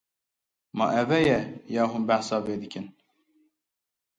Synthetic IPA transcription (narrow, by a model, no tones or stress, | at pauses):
mɑ̰ʔɛvɛjɛjɑːɦuːnbæħsɑːveːd̪ɨkʰɨn